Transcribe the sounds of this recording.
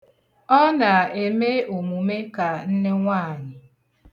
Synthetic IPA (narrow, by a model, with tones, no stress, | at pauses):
ɔ˦na˨e˨me˦o˨mu˨me˦ka˨n̩˦ne˦ŋʷaː˦˨ɲɪ˨